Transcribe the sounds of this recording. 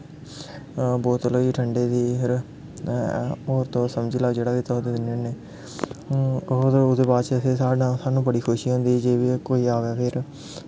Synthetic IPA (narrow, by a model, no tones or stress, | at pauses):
bɔːt̪loːiːʈʰəɳɖeːd̪iːpʰɪɾ | oːɾt̪õːsəmd͡ʒiːlaːd͡ʒeːɽaːkit̪əɦd̪eːd̪ɪnəneː | d̪ʊd̪eːbaːt͡ʃeseːsaːɖãːsaːnũːbəɽiːkʰoʃiːɦõːnd̪iːd͡ʒeːʋikoːiːaːʋaːpʰɪɾ